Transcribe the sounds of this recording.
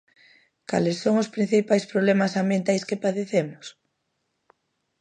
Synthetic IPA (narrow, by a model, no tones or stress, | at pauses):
ka̰lesːoŋʊspɾin̟θipajspɾoβlɛmasambjent̪ajskepaðeθemʊs